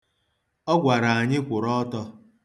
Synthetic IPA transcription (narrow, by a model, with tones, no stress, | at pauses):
ɔ˦ɡʷa˨ɾa˨a˨ɲɪ˦kʷʊ˨ɾɔ˦tɔ˦